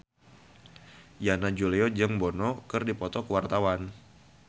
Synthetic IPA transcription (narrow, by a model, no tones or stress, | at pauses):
janad͡ʒuliɔd͡ʒəŋbɔnɔkɨrdipɔt̪ɔkəwart̪awan